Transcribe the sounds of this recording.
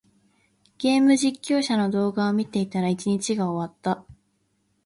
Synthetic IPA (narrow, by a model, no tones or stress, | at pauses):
ɡ̥ʲe̞ːmɯ̟ʑikʲːo̞ːɕano̞d̪o̞ːɡaomʲit̪e̞it̪aɾait͡ɕiɲ̟it͡ɕiɡaoβat̪ːa